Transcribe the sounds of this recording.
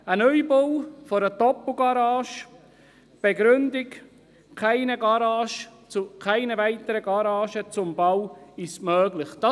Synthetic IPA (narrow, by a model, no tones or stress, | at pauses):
ənœʏbowfɔɾəd̥ɔpl̩ˠɡɑɾɑːʃ | b̥eɡɾʏndɪk | kʰaɪnəɡɑɾɑːʃt͡sukʰaɪnəvaɪtəɾəɡɑɾɑːʃət͡sʊmbawɪstmœːɡlɪχd̥ɑ